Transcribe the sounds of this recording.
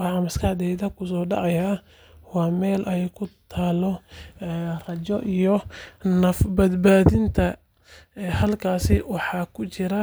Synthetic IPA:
wɑħɑmɐskʰɐʕd̪ɛjðɐkʰʊs̬ɔːɖɑ̰ʕɑja | wɑːmɛːlʔɛjkʰʊt̪ʰaːlɔ | rɐt͡ʃɔʔijɔnɐfbɐd̪baːðɪnt̪ʰɐ | hɐlkʰaːsɪwɑħɑːkʰʊt͡ʃɪɾɐ

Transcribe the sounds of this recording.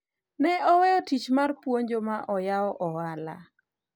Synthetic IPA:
nɛɔwɛɔtit͡ʃmarpwoɲd͡ʒomaʔɔjaɔʔɔwala̰

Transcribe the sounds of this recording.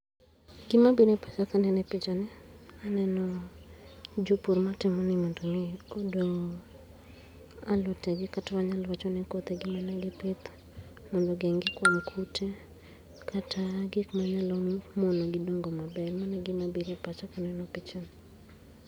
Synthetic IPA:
ɡɪmabiɾepat͡ʃakanɛnɛpɪt͡ʃɔnɪanɛnɔ | d͡ʒopurmatɪmɔnɪmɔndɔmɪodoŋɡo | alɔtɛɡɪkatamaɲalwat͡ʃɔnɪkot̪ɛɡɪmanɛɡɪpɪt̪ | mɔndɔɡɛŋɡɪkwamkʰutʰe | kʰatʰaɡɪkmaɲalɔmɔnaɡɪdoŋɡɔmabɛlmanɛɡɪmabiɾepat͡ʃakanɛnɔpɪt͡ʃɔnɪ

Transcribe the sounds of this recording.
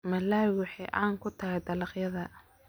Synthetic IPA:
mɐlaːwʊħɑjʔɑ̰ːŋkʰʊt̪ʰɐɦɛjd̪ɐlɑqjɐðɐ

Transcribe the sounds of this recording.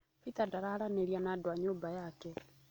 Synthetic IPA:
pitadaɾahaɾaneɾianadwaɲoːmbajakɛ

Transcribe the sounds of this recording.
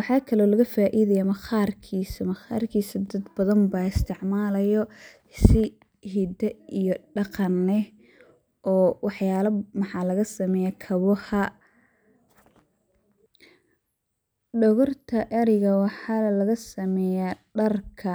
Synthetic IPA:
wɑħɑːkʰɐlɔːlɐɣɐfaːʔiːðɐjɐmɐxaːrkʰiːsɐmɐχa̰ːrkʰiːsɐd̪ɐd̪bɐðɐmbaːɪst̪ʰɪʕmaːlɐjɔ | sɪ | hid̪ɛijɔɖɑqɑnːɛ | ʔɔːwɑħjaːlɐmɑħɑːlɐɣɐsɐmɛːjɐkʰɐβɔhɐ | ɖɔɣɔrt̪ʰɐʔɐɾɪɣɐwɑħɑlɐɣɐsɐmɛːjaɖɐrkʰɐ

